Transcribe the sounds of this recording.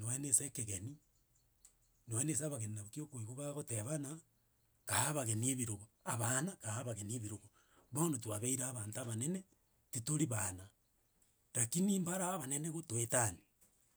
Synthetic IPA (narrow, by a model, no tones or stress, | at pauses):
newenesekeɣeni | newenesaβaɣeninaβkiokoiɣoɣaɣoteβana | kahaβaɣenieβiɾoɣoaβanakaaβaɣenieβiɾoɣo | βanotwaβeiɾaːβaːntaβanene | titoɾiβana | ɾakiniːmbaɾaːβaneneɣotwetani